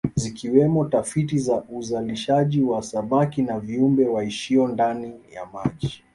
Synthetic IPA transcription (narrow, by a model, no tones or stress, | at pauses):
zikiwɛmɔtafitizaʔuzaliʃaʄiwasamakinaviumbɛwaiʃiɔndanija̰maʄi